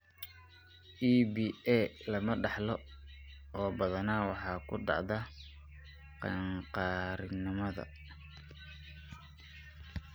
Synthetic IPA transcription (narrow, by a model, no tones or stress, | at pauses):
ʔiːbiːɛlɐmɐɖɑħlɔ | ɔːbɐðɐnaːwɑħɑːkʰʊɖɑ̰ʕðɐ | qɑ̰ɴqɑːɾɪnːɪmɐðɐ̰